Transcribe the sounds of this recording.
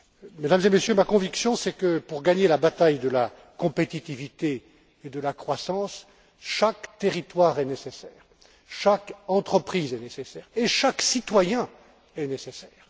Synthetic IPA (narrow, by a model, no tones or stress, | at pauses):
med̪amzemesjømakɔ̃viksjɔ̃sɛkəpuʁɡaɲelabat̪ajd̪əla | kɔ̃pet̪it̪ivit̪eː | d̪əlakχwasɑ̃s | ʃakt̪eʁit̪waːʁɛnesesɛːʁ | ʃakɑ̃t̪χəpχizɛnesesɛːʁeʃaksit̪wajɛ̃ | ɛnesesɛːʁ